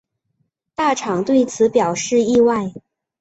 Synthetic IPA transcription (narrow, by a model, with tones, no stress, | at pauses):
t̪a˥˩ʈ͡ʂʰɑ˨˩ŋt̪we˥˩ɪt͡sʰɹ̩˧˥pjɑ˨˩ʊʂɻ̩˥˧i˥˧wa˥˧ɪ